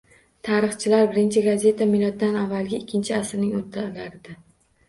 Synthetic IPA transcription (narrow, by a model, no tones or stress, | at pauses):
t̪ʰaɾɨχt͡ʃʰɪlaɾbɪɾɪnt͡ʃʰɪɡazʲe̞t̪ʰamɪlˠɒt̪̚d̪anavːalˠɡʲɪːkʲʰːɪnt͡ʃʰɪasɾnɪŋot̪ʰːalaɾd̪ɪ